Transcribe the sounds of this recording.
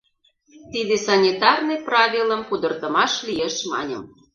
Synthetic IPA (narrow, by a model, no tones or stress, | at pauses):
t̪id̪esɑnʲit̪ɑrnɤprɑβʲiləmpud̪ə̆rt̪ə̆mɑʃlʲijeʃmɑ̰nʲə̰̆m